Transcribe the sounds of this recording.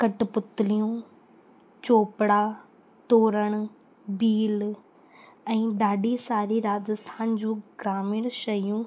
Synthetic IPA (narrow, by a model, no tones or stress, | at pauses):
kɐʈ̆pʊt̪ɪlijũ | t͡ɕoːpɽa | t̪oːɾəɽ̃ | biːl | ɛ̃ːɗaːɗisaːɾiɾaːd͡ʑəst̪ʰaːnd͡ʑũːɡɾaːmɪɽ̃ʃɐjũ